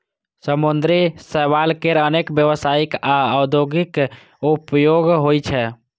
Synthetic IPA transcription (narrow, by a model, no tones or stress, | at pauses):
səmund̪ɾisəʋalkeɾənekbjəwəsaikaəd̪joɡik | upjoɡɦojt͡ʃʰɛ